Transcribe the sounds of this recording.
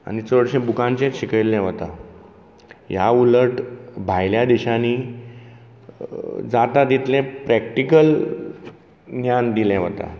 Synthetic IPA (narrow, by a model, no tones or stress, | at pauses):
a̰ñit͡səɽɕẽbukãnt͡ɕẽt͡sɕikəilːɛ̃ʋət̪a | jauləʈbʱajljad̪iɕaniː | d͡zat̪ad̪it̪lẽpɾɛk̚ʈikəl | njand̪ilɛ̃ʋət̪a̰